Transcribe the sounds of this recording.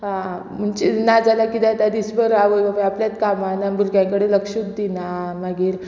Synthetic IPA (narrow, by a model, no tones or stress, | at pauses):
ɦã | m̤əɳt͡ɕenad͡zʱalakid̪at̪ad̪isbəɾaʋoaʋəapljat̪kamanabʱuɾɡjãŋkəɽeləkʂut̪̚d̪inamaɡiːɾ